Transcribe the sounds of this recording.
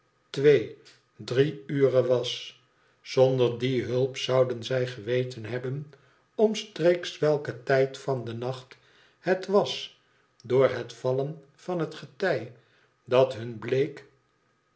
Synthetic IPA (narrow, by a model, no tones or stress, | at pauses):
tʋej | driyːrəʋɑs | sɔndəɹdiɦɵlˠpsɑwdənzɛjχəʋejtənɦɛbən | ɔmstreksʋɛlˠkətɛjtfɑndənɑχt | hətʋɑs | dʊːɹɦətfɑlən | v̥ɑnɦətχətɛj | dɑtɦɵnblejk